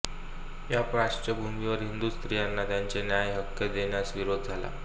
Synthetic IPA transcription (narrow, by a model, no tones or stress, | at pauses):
japɾaɕt͡ɕəbʱumdiʋəɾɦind̪uːst̪ɾijanːat̪jaɲt͡senjajɦəkːəd̪eɳjasʋiɾod̪̚d͡zʱala̰